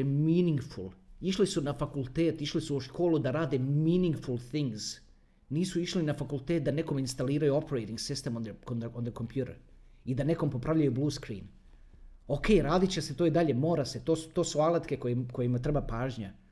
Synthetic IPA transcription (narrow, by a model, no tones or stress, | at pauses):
miːniŋɡfulˠiʃlisunafakulˠt̪eːt̪iʃlisuuʃkʰo̞ːlud̪aɾaːd̪emiːniŋɡfulˠθiŋɡz | niːsuiʃlinafakulˠt̪eːt̪̚d̪aneko̞minst̪aliːɾajuo̞peɾejt̪iŋɡsist̪emokond̪ond̪eko̞mpjuɾeɾ | id̪ane̞ko̞mpo̞pɾaʋʎajubluːskɾḭːn | o̞kʰe̞ːjɾaːd̪it͡ɕeset̪oid̪aʎe̞mo̞ːɾase̞t̪oːst̪o̞ːsualˠat̪ke̞kojeko̞jemat̪ɾe̞bapaːʒɲa